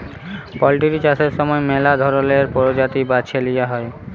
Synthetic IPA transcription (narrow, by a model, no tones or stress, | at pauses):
pɔlʈiɾit͡ɕaseɾʃɔmɔemelad̪ʱɔɾoleɾpɔɾod͡ʑat̪ibat͡ɕʰelijaɦɔe